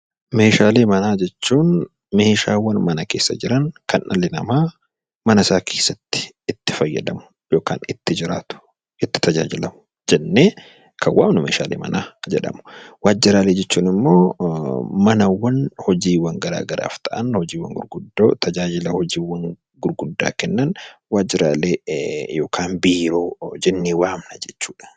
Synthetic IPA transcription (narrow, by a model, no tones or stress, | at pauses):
me̞ːʃaːleːmɐnaːd͡ʒɛt͡ʃːuːn | me̞ːʃaːwːɐnmɐnɐke̞ːsːɐ̰d͡ʒɪɾɐŋkɐnʔɐ̰lɪnɐmaː | mɐnɐsaːkʰeːsːɐt̪ːɪ̥ɪt̪ːɪ̥fɐjːɐ̰d̪ɐmʊ̥ | jo̞ːka̰ːnɪt̪ːɪd͡ʒɪɾa̰ːt̪ʊ̥ | ʔɪt̪ːɪ̥t̪ɐd͡ʒa̰ːd͡ʒɪlɐmʊ | d͡ʒɛnːe̞ː | kʰɐwa̰ːmnʊmḛːʃa̰ːlḛːmɐ̰naːd͡ʒɛᶑɐ̰mʊ̥waːd͡ʒɪɾaːle̞ːd͡ʒɛt͡ʃːuːnɪmːoː | mɐnɐwːɐnhɔd͡ʒiːwɐŋɡɐɾa̰ːɡɐɾa̰ːft̪ɐʔɐnhɔd͡ʒiːwːɐ̰ŋɡʊɾɡʊd̪o̰ːt̪ɐd͡ʒaːd͡ʒɪlɐhɔd͡ʒiːwɐŋ | ɡʊɾɡʊd̪ːa̰ːkɛnːɐnwaːd͡ʒɪɾaːleːjo̞ːkʰaːnbiːɾo̞ːd͡ʒɛnːiːwaːmnɐd͡ʒɛt͡ʃːuːᶑɐ̥